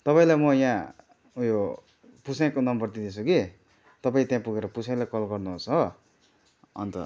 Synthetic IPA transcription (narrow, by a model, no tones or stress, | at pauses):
t̪ʌpaĩlajmʌjã | jo | pusãkonʌmbʌrt̪id̪it͡sʰuki | t̪ʌpaĩt̪jãpuɡeɾʌpusãlajkʌlɡʌrnuɦot͡sʌ | ʌ̰nt̪ʌ̰